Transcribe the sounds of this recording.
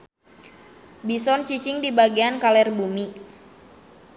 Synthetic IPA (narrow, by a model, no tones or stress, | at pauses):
bisɔnt͡ʃit͡ʃiŋdibaɡiankalɛrbumi